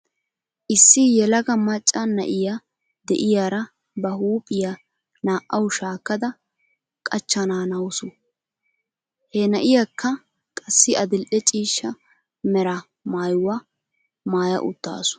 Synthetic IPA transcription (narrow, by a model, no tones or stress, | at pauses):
ʔɪsːɪjɛlɐɡɐmɐt͡ʃʼːɐnɐʔɪja | d̪ɛʔɪjaːɾɐ | bɐhuːpʼːɪja | naːʔɐwʃaːkːɐd̪ɐ | kʼɐt͡ʃːɐnaːnɐwsʊ | hɛnɐʔɪjakʰːɐ | kʼɐsːɪɐd̪ɪlʔɛt͡ʃʼiːʃːɐ | mɛɾɐ | maːjwɐ | maːjɐ̰ʔʊ̰t̪ːa̰ːsʊ̥